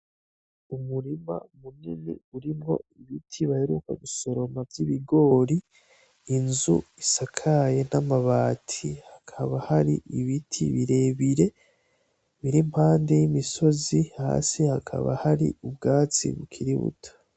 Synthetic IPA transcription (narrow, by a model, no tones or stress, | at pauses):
umuɾima̰muninḭuɾimŋo̞̰iβitʰiβaheɾukaβiso̞ɾo̞mavjiβiɡo̞ːɾiː | nzuisakʰaje̞namaβaːtʰihakʰaβahaɾḭʔiβitʰḭβiɾe̞βiɾe̞ | βiɾimhaːnde̞jimiso̞ziha̰ːsihakʰa̰βa̰haɾḭubɡaːt͡sḭβukʰiɾiβṵtʰḁ